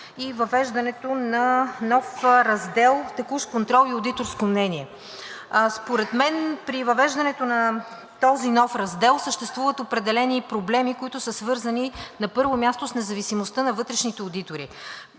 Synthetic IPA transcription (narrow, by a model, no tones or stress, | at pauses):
ivɐvɛʒd̪ɐnɛt̪onɐnɔfɾɐzd̪ɛlˠt̪ɐkuʃkont̪ɾɔlˠiod̪it̪oɾskomnɛniɛ | spoɾɛt̪mɛnpɾivɐvɛʒd̪ɐnɛt̪onɐ | t̪ɔzinɔfɾɐzd̪ɛlˠsəʃt̪ɛst̪vuvət̪opɾɛd̪ɛlɛnipɾoblɛmikoit̪ʊsəsvɤɾzɐninɐpɤɾvomʲjast̪osnɛzɐvisimost̪ənɐvɤt̪ɾɛʃnit̪ɛod̪it̪oɾḭ